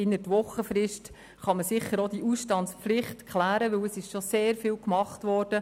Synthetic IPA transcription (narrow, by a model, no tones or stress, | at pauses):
ɪnətʋɔχəfɾɪʃt | χɑməsɪχːəɾod̥iʔusʃtɑntspflɪχtkʰχlæːɾəʋɵwəsɪʃʃoseːɾfɪːwkmɑχtʋɔːrd̥ə